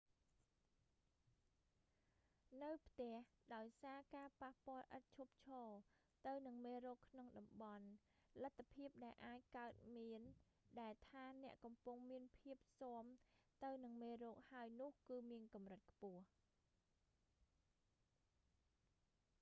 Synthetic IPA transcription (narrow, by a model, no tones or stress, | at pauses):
nɨwpʰt̪ɛ̆əhɗaɔjsaːkaːpahpŏəlʔət̪̚t͡ɕʰup̚t͡ɕʰɔː | t̪ɨwnɨŋmeːrɔːkʰnoŋɗɑmɓɑn | lət̪ʰːapʰiəp̚ɗaɛlʔaːc̚kaət̪̚miən | ɗaɛlt̪ʰaːnɛ̆əʔkɑmpʊŋmiənpʰiəp̚soəmt̪ɨwnɨŋmeːrɔːk̚haəjnʊ̆əhkɨːmiənkɑmrɨt̪̚kʰpʊ̆əh